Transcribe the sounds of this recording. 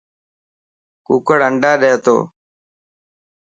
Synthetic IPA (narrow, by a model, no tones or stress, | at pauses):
kuːkəɽəɳɖaːɗeːt̪o̰ː